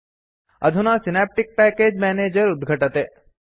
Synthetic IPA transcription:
ə̰d̪ʱunasinap̚ʈik̚pɛkeːd͡ʒmɛneːd͡ʒəɾʊd̪ɡʱəʈət̪e

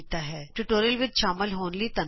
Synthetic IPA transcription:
t̪aɦɛːʈuʈoːɾiəlʋɪt͡ʃʃaːməlɦoːnlit̪ɐn

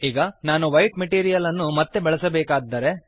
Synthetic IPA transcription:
iːɡɐnaːnuʋɐjʈmeʈiːɾijɐlɐnːumɐt̪ːe̞bɛɭɐsɐbɛːkaːɡd̪ːɐːɾe̞

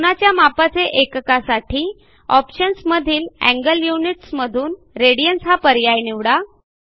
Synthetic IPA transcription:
punat͡ɕjamapat͡seʔekkasaʈʰiː | ɔpɕənsməd̪ʱiːlæ̰̃ŋɡəljuniʈsməd̪ʱuːn | ɾeɽijənsɦapəɾjajniʋɽa

